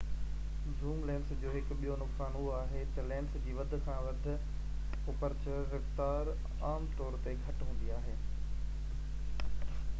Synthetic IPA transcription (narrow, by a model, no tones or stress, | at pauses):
zuːmlɛ̃ːnsd͡ʑoːɦɪkɓijonʊksaːnuaːɦet̪ɐlɛ̃ːnsd͡ʑiːʋɐd̪ʱʊ̆kʰãːʋɐd̪ʱʊ̆ | ʊpəɾt͡ɕəːɪft̪aːɾ | aːmt̪ɔːɾt̪eɡʱɐʈɦũːn̆d̪iaːɦeː